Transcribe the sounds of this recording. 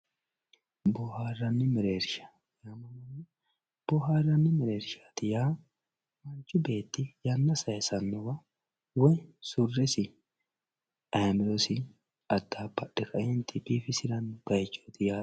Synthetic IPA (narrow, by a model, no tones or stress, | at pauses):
bɔːhaːrːɐnːɪmɛɾeːɾʃḁ | jaːmɐnɐnːɪ | b̥ɔɦaːrːɐnːɪmɛɾeːɾʃḁːt̪ɪjaː | mɐnt͡ʃːʊbe̞ːt̪ːɪjɐnːɐsɐjɛsɐnːɔwɐ | wɔjsʊrːɛsɪ | ɐjmɪɾɔsɪ | ɐd̪ːaːbɐɗːɛkʰɐʔɛnt̪ːɪbiːfɪsɪɾɐnb̥ɐjɛt͡ʃːot̪ɪjaː